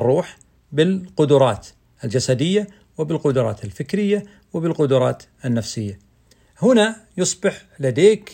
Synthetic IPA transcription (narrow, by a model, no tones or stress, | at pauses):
rˤːuːħ | bɪlqʊd̪ʊɾˤɑːt̪ | ʔɪld͡ʒasad̪ɪjːa | wɪbɪlqʊd̪ʊɾˤɑ̰ːt̪ɪlfɪkɾɪjːa | wɪbɪlqʊd̪ʊɾˤɑ̰ːt̪ | ɪnːafsɪjːa | hʊnajʊsˤbɪħ | lad̪eːk